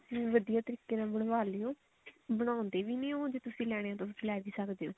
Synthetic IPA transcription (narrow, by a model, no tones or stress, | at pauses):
ʋəd̪ijaːt̪əɾiːkeːnãːbəɽ̃ʋaːleːõː | bəɽ̃ãːõnd̪eːʋiːnẽːõːd͡ʒeːt̪ʊsĩːlɛːɽ̃ẽːaːt̪ãːt̪̬ʊsĩːlɛːʋiːsəkd̪eːõː